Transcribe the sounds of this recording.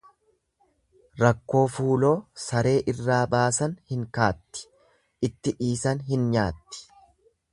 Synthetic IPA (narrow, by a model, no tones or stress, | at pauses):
ɾɐkːo̞ːfuːlo̞ːsɐɾe̞ːʔɪrːaːbaːsɐnhɪŋkaːt̪ːɪ̥ | ʔɪt̪ːɪʔiːsɐnɦɪnɲaːt̪ːɪ̥